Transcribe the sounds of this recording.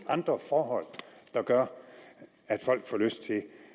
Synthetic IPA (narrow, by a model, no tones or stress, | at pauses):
ʔɑ̈nd̥ʁɐfɒːɦɒ̽l̰d̥ɑ̈ɡ̥ɶɐ | æd̥fɒ̽l̰ɡ̥fɒːløsd̥̚t͡sʰe̝